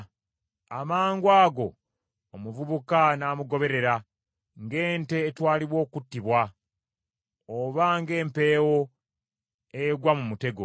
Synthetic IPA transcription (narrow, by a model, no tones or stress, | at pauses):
amaːŋɡwaːɡo̞ | omuvuβukanaːmuɡo̞βe̞ɾe̞ɾa | ŋɡe̞ːnte̞ːtwaːliβwo̞ːkutːiβwa | oβaŋɡe̞ːmpe̞ːwo̞ | ejɡwamumute̞ɡo